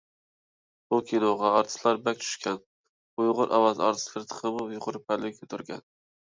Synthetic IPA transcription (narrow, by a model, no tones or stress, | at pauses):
bukʲʰinoʁɑɑɾt̪ʰɨ̥slˠɑɾbɛk̚ʲt͡ʃ̪ʰy̥ʃkʲʰɛn | ujʁʊɾʔɑ̰wɑzɑ̰ɾt̪ʰɨ̥slˠɨɾt̪ʰə̥qʰəmʊjʁʊɾp̚ʰɛlːɪkʰʲøt̪ʰyɾɡʲɛ̰n